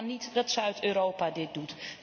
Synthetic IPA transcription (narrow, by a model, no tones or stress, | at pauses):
nitdɑtsœɥtøːɾowpadɪt̚dut